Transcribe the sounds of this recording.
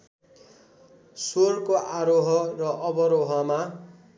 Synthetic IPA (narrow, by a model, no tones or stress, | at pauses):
sorkoʔaɾoɦʌrʌʔʌbʌɾoɦʌma